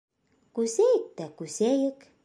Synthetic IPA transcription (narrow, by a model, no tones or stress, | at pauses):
kusejk̚t̪ækusejək